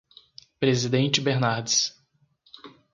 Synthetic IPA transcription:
pɾezid̪ẽnt͡ʃɪbeɾnaɾd͡ʒɪs

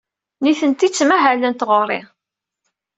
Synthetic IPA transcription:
niθənt̪it͡sːmæɦælənt̪ʁʊrˤɪ̰

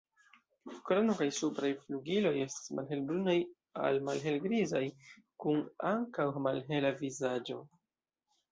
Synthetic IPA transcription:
kɾonokajsupɾajfluɡilo̞je̞stḁsmʔa̰lɦe̞lbɾunaj | a̰lmalɦe̞lɡɾizaj | kunaŋkawmalɦe̞lavizad͡ʒo̞̰

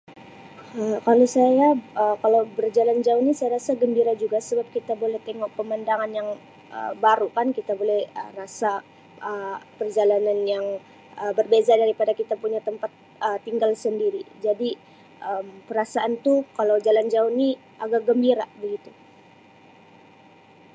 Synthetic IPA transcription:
əkalosajaəkalawbərd͡ʒaland͡ʒaunisajaɾasaɡəmbiɾad͡ʒuɡasəbap̚kit̪abolɛht̪eŋɔʔ̚pəmandaŋanjaŋ | ʔə̰baɾukankit̪abolɛhə̰rasa | ʔəpərd͡ʒalananjaŋ | əbərbezadaɾipadakit̪apuɲat̪əmpat̪̚ | ət̪iŋɡalsəndiɾid͡ʒadi | ʔəmpəɾasaʔant̪ukalawd͡ʒaland͡ʒauni | ʔaɡak̚ɡəmbiɾabəɡit̪u

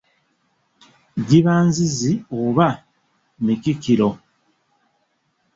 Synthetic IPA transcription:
ɟiβaːnzizioβa | micikiɾo̞

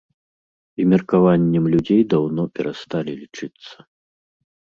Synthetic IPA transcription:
imʲɛrkavanʲːɛmlʲud͡zʲejd̪awnɔpʲɛɾast̪alʲilʲit͡ʂɨt̪sːɐ̥

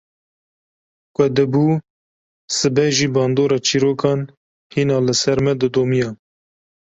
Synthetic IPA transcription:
kʷʼɛd̪ɨbuː | sɨbɛʒiːbɑːnd̪oːɾɑːt͡ʃʰiːɾoːkɑːn | hiːnɑːlɨsɛɾmɛd̪ɨd̪oːmijɑ

